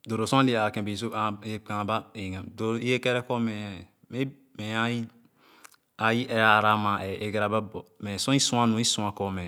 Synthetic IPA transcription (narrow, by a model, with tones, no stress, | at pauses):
do˨ɾo˨sõ˦li˦a˨kẽ˨bi˨s̬o˦a˨˦a˨ba˦e˨ŋa˨do˨ɾi˦e˦ke˦ɾɛ˦ko˦me˨ | me˦ | me˨a˦ji˦ | a˨ji˦ʔe˨ɾa˦˨ɾa˦ma˨e˨e˨ɡa˨ɾa˨ba˦bo˨me˨sõ˦i˦sũ˦a˦nũ˨˦i˦sũ˨a˨ko˦me˨